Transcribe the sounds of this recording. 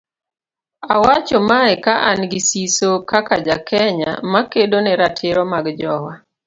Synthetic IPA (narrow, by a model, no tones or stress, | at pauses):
awat͡ʃomaɛkaʔanɡɪsisokakad͡ʒakʰɛɲa̰makedonɛɾatʰɪɾɔmaɡd͡ʒɔwa